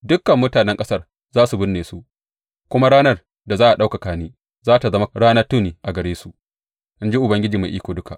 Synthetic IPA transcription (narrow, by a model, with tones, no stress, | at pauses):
dʊ˦kːɐ˨mːʊ˦taː˨nɛ˦ŋkʼɐ˦sɐ˦r | zaː˦su˨bʊ˦nːeː˨su˦ʔ | kʷʊ˦ma˦ɽaː˦nɐ˦r | da˨zaː˦ʔa˨ɗa˦wka˨kaː˦niː˦ | zaː˦ta˨zɐ˦ma˦ɽaː˦nɐ˦tʊ˦˨niː˨ʔa˨ɡɐ˨ɽeː˦su˨ʔ | ʔɪ˦nd͡ʒi˦ʔʊ˨bɐ˦ŋɡʲɪ˦d͡ʒiː˨ma˨ʔiː˦kʷoː˨dʊ˦ka˨ʔ